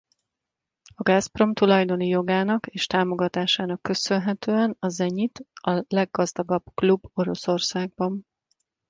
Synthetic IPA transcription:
ɒɡaːspro̞mt̪ulɒjd̪o̞nijo̞ɡaːnɒkeːʃt̪aːmo̞ɡɒt̪aːʃaːnɒkːø̞sø̞nɦɛt̪øːɛnɒzɛɲit̪ɒlɛɡːɒzd̪ɒɡɒbklubːo̞ɾo̞so̞rsaːɡ̚bɒn

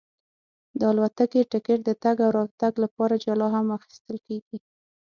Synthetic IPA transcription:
d̪əɑlwat̪akeʈɪkeʈ̚d̪ət̪aɡawɾɑt̪aɡlapɑɾad͡ʒalɑɦamaxi̥st̪əlkeɡi

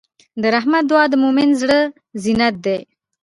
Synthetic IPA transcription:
d̪əɾaɦmat̪̚d̪uwɑd̪əmomɪnzɽə | zinat̪̚d̪ej

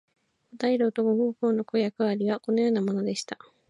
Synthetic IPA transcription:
ot̪aiɾɯːt̪oɡoɡõːko̞ːno̞ko̞jakɯβaɾʲiβako̞no̞jo̞ːnamo̞no̞d̪e̞ɕi̥t̪a

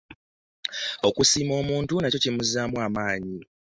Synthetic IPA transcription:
o̞kusiːmo̞ːmuːntunaco̞cimuzaːmwamaːɲi

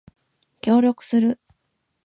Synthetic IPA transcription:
kʲo̞ːɾʲo̞kɯ̟̥sɨɾɯ̟

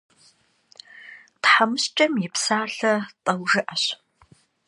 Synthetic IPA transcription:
tħamɨɕt͡ʃʼɐmjɪpsaːɬɐtʼɐwʒɨʔɐɕ

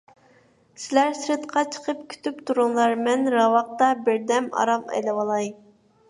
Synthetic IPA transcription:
sɪlæɾsɾɪt̪qʰɑt͡ʃʰə̥qʰəp̚kʲʰy̥t̪ypt̪ʰuɾʊŋlˠɑɾmɛnɾɑwɑq̚t̪ɑbɪɾd̪ɛmɑ̰ɾɑmɛ̰lɛwɑlˠɑj

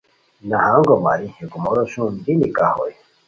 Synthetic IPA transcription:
nahaŋɡoma̰ɾieɡumoɾoʃundinikaho̰j

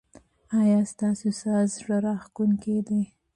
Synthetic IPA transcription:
ɑjɑst̪ɑsosɑzʐaɾɑxkunked̪e

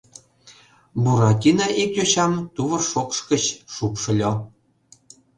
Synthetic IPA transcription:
buɾɑtʲinɑʔikjoɕɑmt̪uβɤ̆rʃokʃkət͡ɕʃukʃɤ̆lʲo

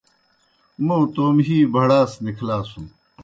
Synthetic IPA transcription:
mowt̪oːmɦiːbʱɐɽaːsnikʰlaːsũm

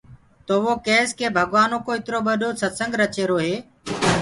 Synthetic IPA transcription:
t̪oːʋoːkeːskʰeːbʱəɡʋaːnoːkoːɪt̪ɪɾoːɓəɗoːsət̪sə̃ŋɡʱɾət͡ʃeːɾoːɦeː

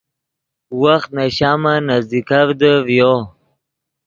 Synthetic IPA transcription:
waxt̪̚naɕaːmanazd̪ikavd̪əvjo

